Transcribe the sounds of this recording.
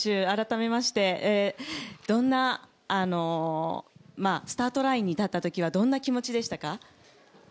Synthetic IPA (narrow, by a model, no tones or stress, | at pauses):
ɕɨːaɾat̪ame̞maɕi̥t̪e̞ed̪̥õ̞nːaː | no̞ | maːsɨ̥t̪aːt̪o̞ɾaĩɲ̟ːit̪at̪ːat̪o̞kʲiβ̞ad̪õ̞nːakʲimo̞t͡ɕid̪e̞ɕi̥t̪aka